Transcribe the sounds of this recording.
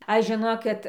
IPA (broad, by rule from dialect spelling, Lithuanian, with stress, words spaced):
ˈɐʃ ʒʲɪˈnoːkʲɪt